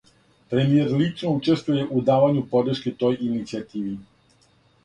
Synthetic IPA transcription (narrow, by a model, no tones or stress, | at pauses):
pɾemieɾlit͡ʃno̞ut͡ʃe̞st̪vuje̞ʔud̪aːʋaɲupo̞d̪ɾ̩ʃket̪o̞jʔinit̪siat̪iːʋi